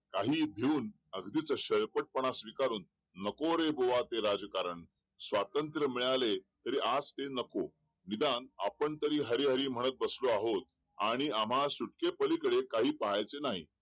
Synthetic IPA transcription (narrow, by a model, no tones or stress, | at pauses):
kaɦiːbʱeuːn | əɡd̪it͡səɕəɭpəʈ̚pəɳ̃asʋikaɾuːnː | əkoɾeboʋat̪eɾad͡zkaɾəɳ | sʋat̪ənt̪ɾəmiɭalet̪əɾiːʔad͡zt̪enəko | nid̪ana̰pəɳt̪əɾiːɦəɾiːɦəɾiːm̤əɽ̃ət̪̚bəsloaɦot̪̚ | a̰ɽ̃iam̤asuʈ̚kepəlikəɽekaɦiːpaɦajt͡senaɦḭː